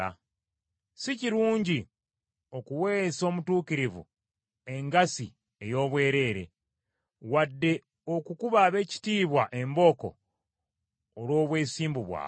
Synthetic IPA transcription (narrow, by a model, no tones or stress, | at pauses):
a̰ | siciɾuːɲɟi | o̞kuwe̞ːso̞ːmutuːkiɾivṵ | e̞ŋɡasi | e̞jo̞ːβwe̞ːɾe̞ːɾe̞̰ | wadːe̞ | o̞kukuβaβe̞ːci̥tiːβwaʔe̞mbo̞ko̞̰ | lwo̞ːβwe̞ːsiːmbuβwa̰ː